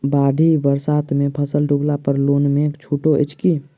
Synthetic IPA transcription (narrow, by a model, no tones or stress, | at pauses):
baːɖʱibəɾsaːt̪mẽpʰəsəlɖʱʊɡlapəɾloːnmẽkt͡ʃʰuːʈoʔɪ̰t͡ʃkiː